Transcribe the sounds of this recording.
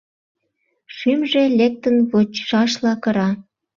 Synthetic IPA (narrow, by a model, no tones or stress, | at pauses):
ʃymʒelek̚t̪ənβot͡ɕʃɑʃlɑkə̆ɾɑ